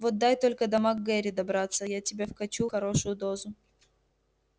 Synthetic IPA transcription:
vot̪̚d̪ajt̪o̞lʲkəd̪ɐmaɡːɛɾʲɪd̪ɐbɾat̪sːəjatʲɪbʲefkɐt͡ɕuxɐɾo̞ʂʊjʊd̪o̞zʊ

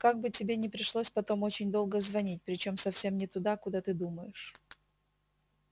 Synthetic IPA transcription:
kaɡ̚bɨtʲɪbʲe̞nʲɪpɾʲɪʂlˠosʲpɐt̪o̞mo̞t͡ɕɪnʲd̪o̞lˠɡəzvɐnʲit̚ʲpɾʲɪt͡ɕo̞msɐfsʲe̞mnʲɪt̪ʊd̪akʊd̪at̪ɨd̪uməjɪʂ

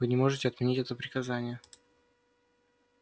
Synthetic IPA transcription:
ɨnʲɪmo̞ʐɨtʲɪɐt̪mʲɪnʲitʲɛt̪əpɾʲɪkɐzanʲɪjə

